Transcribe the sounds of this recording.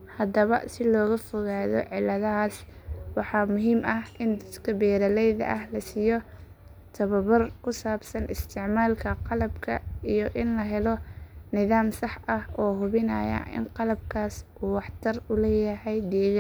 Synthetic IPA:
hɐd̪ɐβɐ̰sɪlɔːɣɐfɔɣaːðɔ̰ʕɪlːɐðɐɦaːswɑħɑːmʊɦiːmɐhʔɪnd̪ɐd̪kʰɐbɛːɾɐlɛjðɐ̰ʔɐhlɐsiːjɔ | t̪ʰɐβɐβɐrkʰʊsaːbsɐnʔɪst̪ʰɪʕmaːlkʰɐqɑlɐbkʰɐijɔʔɪnlɐɦɛlɔnɪðaːmsɑħʔɐhɔːɦʊβɪnɐ̰ːjɐ̰ʔɪ̰nqɑlɐb̚kʰaːsʔuːwɑħt̪ʰɐrʊlɛːjɐɦɛjd̪ɛːɣa

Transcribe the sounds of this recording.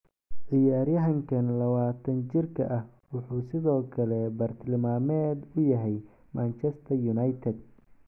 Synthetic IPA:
ʕɪjaːɾjɐɦɐŋkʰɐnlɐβaːt̪ʰɐnt͡ʃɪrkʰɐ̰ʔɐhwʊħuːsɪðɔːkʰɐlɛbɐrt̪ʰɪlmaːmɛːd̪ʊjɐɦɛj | maːnt͡ʃʰɛst̪ʰɐjʊnɐjt̪ʰɛd̪̚

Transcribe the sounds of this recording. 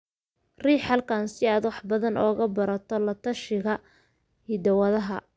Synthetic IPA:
riːħɑlkʰaːnsɪaːd̪wɑħbɐðɐnʔɔːɣɐbɐɾɐt̪ʰɔlɐt̪ʰɐʃɪɣɐ | hɪd̪ɐwɐðɐɦɐ

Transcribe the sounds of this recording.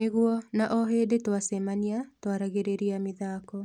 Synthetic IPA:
eɣuɔnaʔɔɦedetwasɛmaniatwaɾaɣeɾeɾiamiðaːkɔ

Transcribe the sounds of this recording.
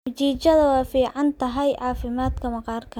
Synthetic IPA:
t͡ʃiːt͡ʃɐðɐwɛːfiːʕɑnt̪ʰɐɦɛjʕɑːfɪmaːd̪kʰɐmɐqɑːrkʰɐ

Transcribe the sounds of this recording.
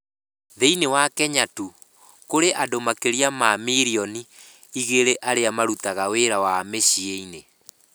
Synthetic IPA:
ðeinewakɛɲatu | koɾeʔadomakeɾiamamiɾiɔni | iɣeɾeʔaɾeamaɾutaɣaweɾawameɕieine

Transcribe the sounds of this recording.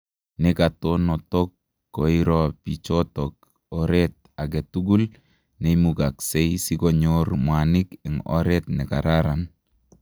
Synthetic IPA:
nekatonɔtɔkː | oiɾɔpit͡ʃotɔk̚ | ɔɾet̚ | aɡɛtuɡul | nemukaksɛjsikɔɲoɾmwanɪkɛŋɔ̰ɾɛtnɛka̰ɾaɾan

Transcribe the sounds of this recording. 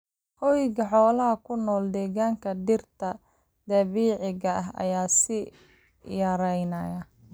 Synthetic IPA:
hɔjɣɐħɔːlɐɦɐkʰʊnɔːld̪ɛːɣaːŋkʰɐd̪ɪrt̪ʰɐ | d̪ɐβiːʕɪɣɐʔɐɦɐ̰jaːsɪ | jɐɾɛjnɐjɐ

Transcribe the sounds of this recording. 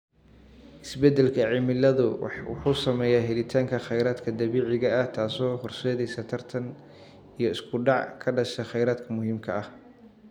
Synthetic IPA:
ʔɪsbɛd̪ɛlkʰɐʕɪmɪlɐðʊwɑħuːsɐmɛːjaːɦɛlɪt̪ʰaːŋkʰɐχɛjɾaːd̪kʰɐd̪ɐβiːʕɪɣɐɐht̪ʰaːsɔːhʊrsɛːðɛjsɐt̪ʰɐrt̪ʰɐn | ijɞɪskʰʊɖɑʕkʰɐɖɐʃɐχɛjɾaːd̪kʰɐmʊhiːmkʰɐɐh

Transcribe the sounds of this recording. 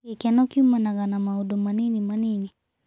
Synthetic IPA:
ekɛnɔkiumanaɣanamaodomanenimanene

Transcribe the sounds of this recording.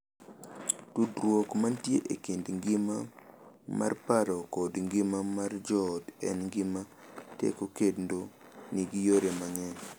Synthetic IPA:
tudɾwokmantjeʔekendŋɡɪmama̰rpaɾɔkɔdŋɡɪmamard͡ʒɔdɛ̰nŋɡɪmatḛkokedndoniɡijoɾemaŋɛ

